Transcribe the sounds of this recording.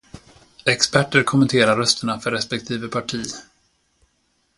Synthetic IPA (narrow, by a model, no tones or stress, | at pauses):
ɛkspæʈːəɾkʰɔmːɛnt̪ʰeːɾaɾœst̪əɳafœɾɛspɛk̚t̪ʰiːvəpʰaʈʰiː